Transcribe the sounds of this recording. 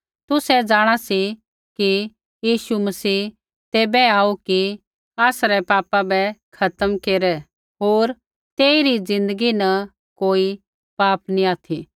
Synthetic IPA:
t̪ʊsɛd͡zaːɽ̃asi | ki | jiːʃumɐsiː | t̪eːbɛaːuki | aːsɾɛpaːpabɛkʰɐt̪əmkeːɾɛ | ɦoːɾ | t̪eːiɾid͡zɪ̃nd̪əɡinɐ | koːi | paːpniaːt̪ʰi

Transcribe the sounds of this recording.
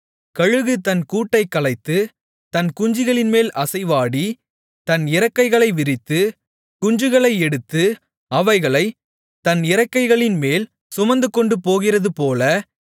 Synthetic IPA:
kɐɻɯɣɯt̪ɐnkuːʈːɐɪkːɐɭɐɪt̪ːɯ | t̪ɐnkʊɲd͡ʒɪɣɐɭɪnmeːlʔɐsɐɪʋaːɽi | t̪ɐnɪɾɐkːɐɪɣɐɭɐɪʋɪɾɪt̪ːɯ | kʊɲd͡ʒɯɣɐɭɐɪɛɽɯt̪ːɯ | ɐʋɐɪɣɐɭɐɪ | t̪ɐnɪɾɐkːɐɪɣɐɭɪnmeːl | sʊmɐnd̪ɯkːɔɳɖɯpoːɣɪrɐðɯpoːlɐ

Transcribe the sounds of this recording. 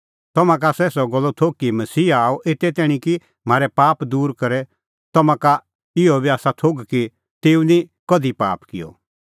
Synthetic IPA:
t̪ɔmãk̬asɛːsɔɡɐlːot̪ʰoːkːimɐsiːaːɔʔet̪ɛt̪̬ɛːɽ̃ĩki | m̤aːɾɛpaːpd̪uːɾkɐɾɛ | t̪ɐmãka | ɪɔbiaːsat̪ʰoːɡki | t̪eːũnikɐd̪ipa̰ːpkɪjɔ̰

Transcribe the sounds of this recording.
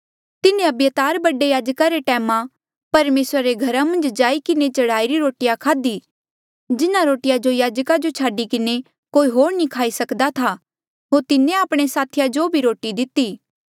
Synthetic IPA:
t̪ɪnẽɐbjət̪aːɾbɐɖejaːd͡ʒkaɾeʈɛːmã | pɐɾmeːsɾaɾeɡʱɐɾamɐ̃nd͡ʒd͡ʒaːikɪnet͡ʃɐɽaːiɾiɾoːʈɪjakʰaːd̪i | d͡ʒɪnãɾoːʈɪjad͡ʒojaːd͡ʒkad͡ʒot͡ʃʰaːɖikɪne | koːiɦoːɾnikʰaːisɐkd̪at̪ʰa | ɦoːɾt̪ɪnẽaːpɽ̃esaːt̪ʰɪjad͡ʒobʱiɾoːʈid̪ɪt̪ːiː

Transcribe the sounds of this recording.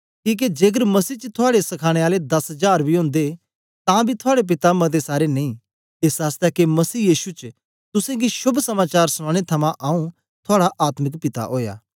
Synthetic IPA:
kiːk̬ed͡ʒeːɡ̬əɾmɐsiːt͡ʃt̪ʰʊaːɽesɐkʰaːɽ̃eaːled̪ɐsd͡ʒaːɾbʱiɦõːnd̪e | t̪ãbʱit̪ʰʊaːɽep̬ɪt̪amɐd̪̬esaːɾenɐĩ | eːsaːst̪ɛkemɐsiːjiːʃut͡ʃ | t̪ʊsẽɡiʃʊbʱsɐmaːt͡ʃaːɾsɽ̃ãːɽ̃et̪ʰɐmãʔaːũ | t̪ʰaːɽaʔaːt̪mɪkpɪt̪a̰ʔoːja̰ː

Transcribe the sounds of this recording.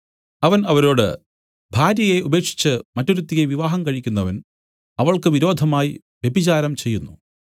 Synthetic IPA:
ɐʋɐnɐʋɐɾo̞ːɽɨ̰ | bʱaːɾjɐje̞ube̞ːkʂi̥t͡ɕːɨmɐtːoɾut̪ːijeʋiʋaːɦɐmkɐɻikʲːunːɐʋɐn | ɐʋɐɭkɨʋiɾo̞ːd̪ʱɐmaːji | ʋje̞bʱit͡ɕaːɾɐmt͡ɕe̞jːunːṵ

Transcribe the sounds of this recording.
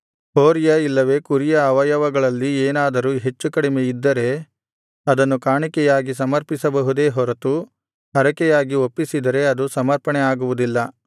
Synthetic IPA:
hoːɾjɐilːɐʋe̞ːkuɾijɐːʋɐjɐʋɐɡɐɭɐlːieːnaːd̪ɐɾuɦe̞t͡ʃːukɐɽimeid̪ːɐɾe̞ | ɐd̪ɐnːukaːɳikɛjaːɡis̬ɐmɐɾpisɐbɐɦud̪e̞ːɦɔɾɐt̪u | ɦɐɾɐkɛjaːɡiopːisid̪ɐɾe̞ɐd̪usɐmɐɾpɐɳɛaːɡuʋud̪ilːɐ

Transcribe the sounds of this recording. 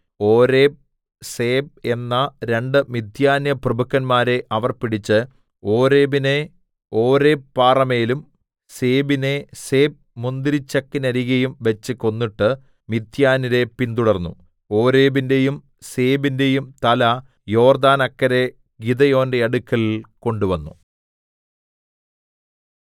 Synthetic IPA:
oːɾe̞ːb̚ | seːb̚e̞nːɐɾe̞ɳɖɨmid̪ʱjaːnjɐprɨbɐkːɐnmaːɾe̞ʔɐʋɐrpiɽit͡ɕːɨ | o̞ːɾe̞ːbine | oːɾe̞ːpːaːrɐme̞ːlum | seːbine̞se̞ːb̚mund̪iɾit͡ɕːɐkːinɐɾiɣɐjumʋet͡ɕːɨko̞nːiʈːɨ | mid̪ʱjaːniɾe̞pind̪uɽɐrnːṵ | o̞ːɾe̞ːbinde̞jum | se̞ːbinde̞jumt̪ɐlɐ | jo̞ːrd̪aːnɐkːɐɾe̞ | ɡid̪ɐjo̞ːndeɐɽukːɐɭiko̞ɳɖuʋɐnːu

